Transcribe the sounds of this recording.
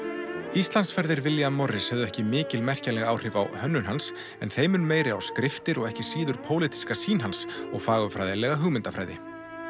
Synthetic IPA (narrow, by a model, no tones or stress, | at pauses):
ist̪lansfɛɾðɪɾvɪljamɔrːɪshœvðʏɛhcɪmɪːcɪlmɛr̥calɛɣaːwr̥ɪva̰whœnːʏnɦans | ɛ̰nθejmʏnmeːjɾɪawskɾɪft̪ɪɾɔɣɛhcɪsiːðʏɾ̥pʰoːwlɪt̪i̥skasiːnɦansɔɣfaːɣʏfɾaːjðɪlɛɣaɦʏɣmɪnt̪afɾa̰jðɪ